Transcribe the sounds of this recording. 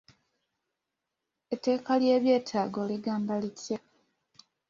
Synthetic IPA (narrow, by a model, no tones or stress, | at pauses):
etːe̞ːkalje̞ːβje̞ːtʰaːɡo̞liɡaːmbalitja